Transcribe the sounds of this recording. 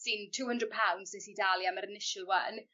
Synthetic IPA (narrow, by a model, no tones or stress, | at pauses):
sɪntʰuːhəndrəd̚pʰawndzɛsidaːlˠjaməɾɪnɪʃəlˠwə̰n